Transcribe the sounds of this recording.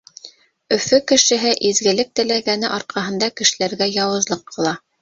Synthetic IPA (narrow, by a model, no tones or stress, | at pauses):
ɵ̆fɵkɘ̆ʃɘ̆ɦɘʔizɡɘ̆lɘk̚t̪ɘ̆læɡænɘʔɑɾqɑɦɤ̆nd̪ɑkɘ̆ʃɘ̆læɾɡæjɑwɤ̆zlˠɤqʰːɤ̆lˠɑ